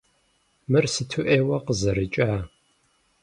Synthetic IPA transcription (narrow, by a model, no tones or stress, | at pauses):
mɨrsɨtʰuʔeːwɐqəzɐɾɨt͡ʃʼaː